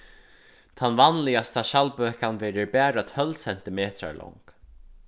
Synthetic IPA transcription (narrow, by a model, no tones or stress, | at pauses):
t̪ʰanvanlɪjast̪ʰaʃalpøːkanvɛːɾɪɹbæːɾat̪hœlsɛn̥t̪ɪmeːt̪ɾa̰ɹlʔɔ̰ŋk